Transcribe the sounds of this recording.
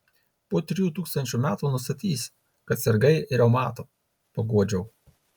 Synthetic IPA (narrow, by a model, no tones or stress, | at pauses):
puɔt̪ʲɾʲɪjuːt̪uːkst̪ɐnʲt͡ʃʲuːˑmʲæːt̪uːnʊst̪ɐt̪ʲiːsʲ | kɐt̪sʲɛɾɡɐɪɪɾʲɛʊmɑːt̪oː | pɐɡuɔd͡ʒʲɛʊ